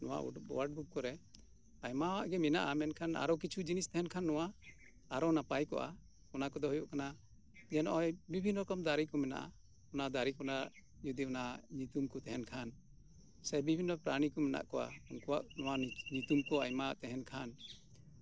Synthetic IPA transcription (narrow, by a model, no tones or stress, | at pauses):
nɔ̰wa̰ʔɔ̰waʈ̚bukkɔɾɛ | ajmawaʔɡɛmɛnaʔamɛnkʰana̰ɾɔk̬it͡ʃʰud͡ʒinist̪ɛɦɛnkʰanːɔwa | aɾɔnapajkɔ̰ʔa̰ | ɔnakɔd̪ɔɦɔjɔʔkana | d͡ʒɛnɔʔɔjbibʱinːɔɾɔkɔmd̪aɾikɔmɛna̰ʔa̰ | ɔnad̪aɾikɔnaʔ | d͡ʒud̪iɔnaɲut̪umkɔt̪ɛɦɛnkʰan | sɛbibʱinːəpɾaɽ̃ikɔmɛna̰ʔkɔʔa̰unkɔwa̰ʔnɔwaɲut̪umkɔajmaaʔt̪ɛɦɛnkʰan